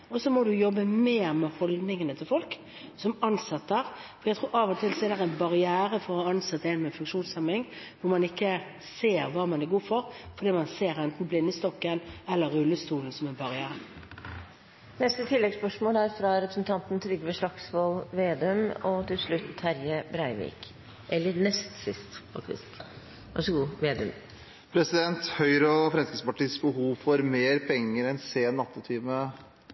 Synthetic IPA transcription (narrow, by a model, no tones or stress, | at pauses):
ɔsɔmɔd̪ʉjɔbːəmeːʁmɛhɔld̪nɪŋənət̪ʰɪlfɔlk | sɔmɑnsɑt̪ːəəʁfɔɾjæɪt̪ʰʁuːɾɑːʋɔt̪ʰɪlsɔɛɾd̪ɛʁɛnbɑʁɪæːɾəfɔʁɔhɑɑnsɑt̪ːəɛɪnmɛfʉŋkʂuːnsɛmɪŋ | ʋʊmɑnɪkːə | seːɾʋɑːmɑnæɾɡuːfɔɾfɔɾd̪iːmɑnseːɾɛnt̪n̩blɪnːəst̪ɔkːənɛlːəɾʉlːəst̪uːln̩sɔmɛnbɑʁɪæːɾə | nɛst̪ət̪ʰɪlːɛɡspœʂmoːlæɾfɾɑɾɛpɾəsn̩t̪ʰɑnt̪nt̪ʰɾʏɡːəʋəʂɭɑksʋolʋeːd̪ømɔt̪ʰɪlʂɭʉt̪ːhæɾjəbɾæɪʋḭːk | ʔɛlːəɾnɛst̪sɪst̪fɑ̰kt̪ɪ̰sk | ʋæ̰ʂəɡuːʋeːd̪əm | pʰɾɛsɪd̪ɛnt̪hœʏɾəfɾɛnskəspɑʈiːsbəhuːʋfɔɾmeːɾpʰɛŋːəɾɛnseːnɑt̪ːɪt̪ʰiːmə